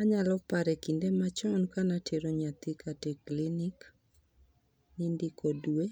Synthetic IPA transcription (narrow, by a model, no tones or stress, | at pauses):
aɲalɔpaɾɛkindemat͡ʃɔnkanatʰeɾoɲat̪ɪkateklinik | nindikʰodwe